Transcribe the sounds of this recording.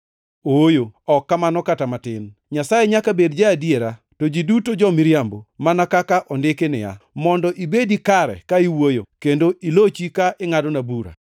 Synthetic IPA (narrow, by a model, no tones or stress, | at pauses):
ojoɔkːamanɔkatamatɪnɲasajɛɲakabedd͡ʒaadjeɾa | tod͡ʒidutod͡ʒɔmɪɾjambomanakakaʔɔndɪkenɪ̰ja̰mɔndɔʔibedikaɾɛ̰kaiwojokendoʔilot͡ʃikaʔɪŋadɔnabuɾa̰